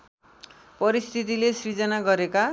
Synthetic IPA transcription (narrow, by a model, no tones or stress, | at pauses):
pʌɾist̪ʰit̪ilesrid͡zʌnaɡʌɾeka